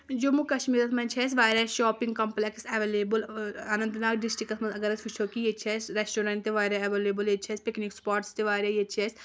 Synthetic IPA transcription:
d͡ʒoːmukɐʃmiːɾɐt̪ʰmɐ̃nt͡ʃʰɛːs̬ʋaːɾɐːʃɔːpiŋɡkɐmpleksɐʋeːleːbəlɐnɐ̃nd̪naːkɖɪsʈikɐt̪ʰmɐnzɐɡɐɾɐsʋut͡ʃʰoːkijet͡ʃʰɛːsɾesʈoːɾɐɳʈt̪eʋaːɾaɐʋeːleːbəleːt͡ʃʰɛːspiknikspaːɾʈst̪eʋaːɾajet͡ʃʰɛːs

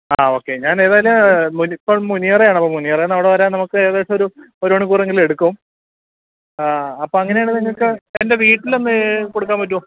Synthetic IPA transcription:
aːo̞ːkːe̞ɲaːne̞ːðaːjɐlɐmmunipːoːɭmunijɐrejaːɳɐpːomunːijɐrenːɐʋiɽeʋɐɾaːnɐmukːɨeːðaːjlːoɾu | oɾuoɳːukuːre̞ŋɡile̞ɽukːɐʋum | aɐpːoːɐŋːɐneaːɳɨniŋːɐɭkɨende̞ʋiːʈːilo̞nːɨkoɽukːaːnmpɐt̬ːuʋɐm

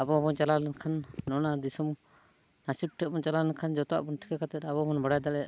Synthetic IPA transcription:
abɔbɔnt͡ʃalalɛnkʰanːɔnad̪isum | nasip̚ʈʰɛbɔnt͡ʃalalɛnkʰand͡ʒɔt̪ɔa̰ʔbɔnʈʰi̥kʰɛkat̪ɛt̪abɔbɔnbaɽajd̪alɛʔ

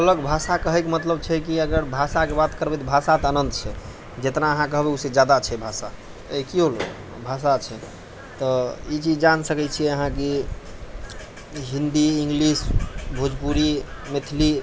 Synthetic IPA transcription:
ələɡbʱasakəɦɛkmət̪ləb̚t͡ʃʰɛkiəɡəɾbʱasakebat̪kəɾbɛt̪bʱasat̪ənənd̪t͡ʃʰɛ | d͡ʒet̪naəɦãkəɦbɛused͡ʒad̪at͡ʃʰɛbʱasa | ekiol | bʱasat͡ʃʰɛ | t̪ɔit͡ʃid͡ʒd͡ʒansəkɛt͡ʃʰiɛəɦãke | ɦind̪iiŋɡlisbʱud͡ʒpuɾimet̪ʰli

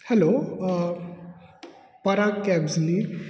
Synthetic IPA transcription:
hɛlo | pəɾakːɛbzliɾ

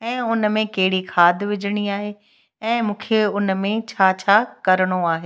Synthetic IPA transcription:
ɛ̃ːʊnmẽkɐɦɪɽikʰaːd̪ʱʋɪd͡ʑʱəɽ̃iaːɦe | ɛ̃ːmũːkʰeʊnmẽt͡ɕʰaːt͡ɕʰaːkɐɾəɽ̃oaːɦeː

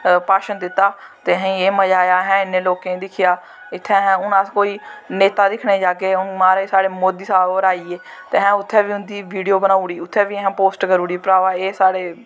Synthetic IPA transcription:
paːʃənd̪ɪt̪ːaːt̪eːɦɛ̃eːməd͡ʒaːjaːɦɛ̃ːɪnːẽːloːkẽːd̪ɪkʰɪjaː | ɪt̪ʰːɛ̃ːɦɛ̃ːʊnãːskoːiːneːt̪aːd̪ɪkʰneːd͡ʒaːkeːʊnmaːɾeːsaːɽeːmoːd̪iːsaːoːɾaːiːeːt̪eːɦɛ̃ːʊt̪ʰːɛ̃ːʋiːʊnd̪iːʋiːɖijoːbənaːuɽiːʊt̪ʰːɛ̃ːʋiːɦɛ̃ːpoːsʈɡəɾuːɽiːpɾaːʋaːeːsaːɽeː

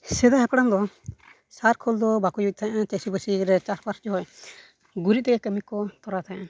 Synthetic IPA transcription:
sɛd̪aɦɛpɽand̪ɔ | saɾkʰɔld̪ɔbakɔjuc̚t̪ʰaɲʔãt͡ʃɛsibəsiɾɛt͡ʃaɾpaɾsd͡ʒɔɦɔj | ɡuɾit̪̚t̪ɛɡɛkəmikɔt̪ɔɾat̪ʰaʔa

